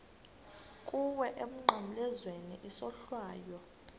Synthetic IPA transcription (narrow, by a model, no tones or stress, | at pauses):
kʼuwɛʔemuŋ͡ǃʱim̩lɛzweniʔisɔɬwaːjɔ